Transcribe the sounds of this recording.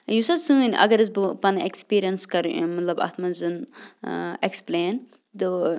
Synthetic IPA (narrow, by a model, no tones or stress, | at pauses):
jusɐsũːnʔɐ̰ɡɐɾɨzbpɐnekspiːɾijɐnskɐɾmɐt̪lɐbɐ̰t̪mɐnzɨn | ekspleːn | t̪oː